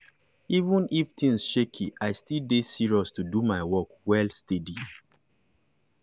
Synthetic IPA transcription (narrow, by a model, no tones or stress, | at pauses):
ivũniftʰĩnsʃekʰiʔaɪstildesiɹiɔstudumaɪwɔkwɛlstedi